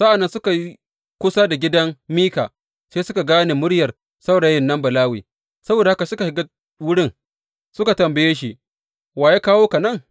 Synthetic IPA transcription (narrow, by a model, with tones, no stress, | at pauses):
sa˦ʔa˨nːɐ˦nsʊ˦ka˨ji˦ | kʷʊ˦saː˦da˨ɡʲɪ˦dɐ˦ŋmiː˦kaː˨ | seː˦sʊ˦ka˨ɡaː˦neː˨mʊ˦ɽjɐ˨r | sa˦wɽaː˨˦jɪ˦nːɐ˦mbɐ˨laː˦wḭː˨ | sɐ˦boː˨da˨ha˦ka˨sʊ˦ka˨hɪ˨˦ɡa˦ | wʊ˦ɽɪ˦ŋ | sʊ˦ka˨tɐ˨mbɐ˨jeː˦ʃi˦ | waː˨jaː˦kaː˦woː˦ka˨nɐ˦˨ŋ